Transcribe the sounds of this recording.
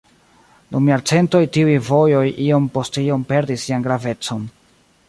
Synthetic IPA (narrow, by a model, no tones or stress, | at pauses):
dumiaɾt͡se̞nto̞jtiujvo̞jo̞jʔio̞mpo̞stio̞mpe̞ɾdisːianɡɾave̞t͡so̞n